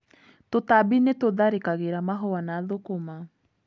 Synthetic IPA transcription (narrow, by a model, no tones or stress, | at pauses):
totabinetoðaɾekaɣeɾamaɦoanaðokoma